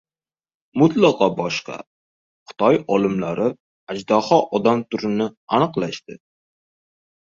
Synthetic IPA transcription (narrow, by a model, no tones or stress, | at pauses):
mʊt̪lɑqɒbɒʃqɑ̰ | χʊ̥t̪ʰɒjɒlˠɪmlaɾɪ | ad͡ʒd̪ɒhɒʔɒd̪amt̪ʰʊɾɪnɪanɨqlˠaʃt̪ɪ